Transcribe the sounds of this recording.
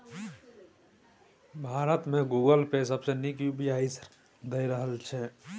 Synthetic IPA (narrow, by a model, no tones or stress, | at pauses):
bʱaɾət̪mẽɡuɡəlpesəbsenikjubijaisɾ | d̪əjɾəɦəlt͡ʃʰɛ